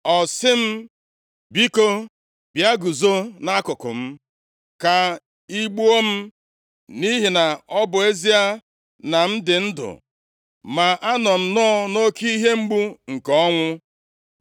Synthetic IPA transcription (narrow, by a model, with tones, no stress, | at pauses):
ɔ˨sɪ˦m̩˦ | bi˦ko˦ | bja˦ɡu˨zo˦na˦kʊ˨kʊ̰˨m̩˦ | ka˨ | i˦ɡ͡bu˦o˦m̩˦ | ni˦ɦi˨na˨ɔ˦bʊ˨e˦zi˦a˦ | na˨n̩˦dɪ˨n̩˦dʊ̰˨ | ma˨ʔa˦nɔ˨n̩˨nɔ˦no˦ki˦ɦe˦ŋ͡m̩˦ɡ͡bu˦ŋ̩˨kɔɔ˦ŋʷʊ˦